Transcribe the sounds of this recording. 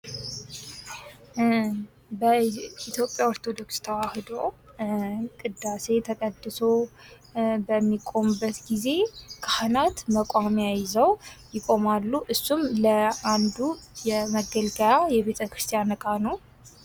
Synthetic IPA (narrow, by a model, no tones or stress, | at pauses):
bəit̪ʰjo̞pʼjaoɾt̪ʰo̞d̪o̞kst̪ʰəwahɨd̪ow | kʼɨd̪ːase̞t̪ʰəkʼəd̪ːɨso̞ | bəmːikʼo̞mɨbːət̪ɡize̞kʰahnat̪məkʷʼamjajɪzəwjɪkʼo̞malːuʔɨsːumləand̪ujɛməɡəlɡəjajɛβe̞t̪ʰəkɾɨst̪ʰʼijanɨkʼanəw